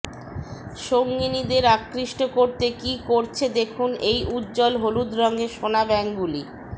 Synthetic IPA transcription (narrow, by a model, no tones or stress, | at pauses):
ʃoŋɡinid̪eɾakːɾiʃʈokoɾt̪ekikoɾt͡ɕʰed̪ekʰunejʔudd͡ʑɔlɦolud̪ɾɔŋɡeʃonabɛŋɡuli